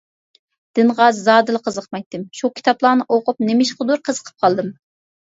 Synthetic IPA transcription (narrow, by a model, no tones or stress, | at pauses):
d̪̥ɨnʁɑzːɑːd̪ɨlˠəqʰəzəqmɛk̚ʲt̪ːɪmʃukʲʰi̥t̪ʰɑplˠɑːnɨʔoqʊp̚nemɪʃqəd̪uɾqʰəzəqʰə̥p̚qʰɑlˠd̪ɨm